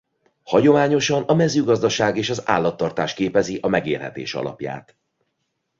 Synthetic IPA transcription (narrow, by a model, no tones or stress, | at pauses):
hɒɟo̞maːɲo̞ʃɒnɒmɛzːøːɡɒzd̪ɒʃaːɡeːʃɒza̰ːlːɒt̪ːɒrt̪aːʃkeːpɛziʔɒmɛɡeːrɦɛ̰t̪ḛːʃɒ̰lɒ̰pja̰ːt̪